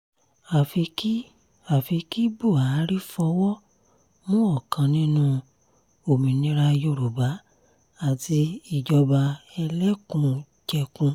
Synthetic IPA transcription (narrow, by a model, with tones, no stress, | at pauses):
a˨fi˧ki˦ | a˨fi˧ki˦bo˦˨a˨˦ɾi˦fɔ˧wɔ˦ | mũ˦ɔ˦˨kã˧nĩ˦nũ˦˧ | o˨mĩ˨nĩ˧˦ɾa˧jo˧˨ɾu˨ba˨˦ | a˦˨ti˧i˦˨d͡ʒɔ˧ba˧ɛ˧lɛ˦kũ˧ | d͡ʒɛ˧kũ˧